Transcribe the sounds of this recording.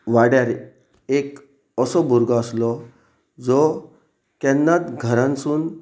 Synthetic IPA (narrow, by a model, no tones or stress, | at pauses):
ʋaɽjaɾ | ek | əsɔbʱuɾɡʱaəslɔ | d͡zɔ | kɛnːat̪ɡʱəɾãnsuːn